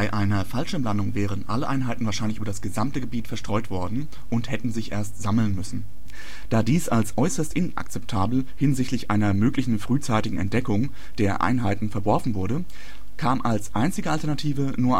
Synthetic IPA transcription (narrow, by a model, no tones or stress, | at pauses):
b̥aɪʔaɪnɐfalʃəmlandʊŋvɛːʁənʔa̰ləʔaɪnɦaɪtn̩vaːʃaɪnlɪçyːbɐdasɡ̥əzamtəɡəbiːtfɛɐʃtʁ̥ɔʏtv̥ɔɐdn̩ | ʔʊnthɛtn̩zɪçʔḛːɐstz̥aml̩nmʏsn̩ | d̥aːdiːsʔalsʔɔʏsɐstʔɪnʔa̰k̚t͡sɛp̚tʰaːbl̩ | hɪnzɪçtlɪçʔa̰ɪnɐmøːklɪçn̩fʁ̥yːt͡saɪtɪɡŋ̩ɛ̰ntd̥ɛkʊŋ | d̥eːɐʔa̰ɪnɦaɪtn̩fɛɐvɔɐfn̩vʊɐɾə | kʰaːmʔalsʔaɪnt͡sɪɡəaltɛɐnatʰiːvənuːɐ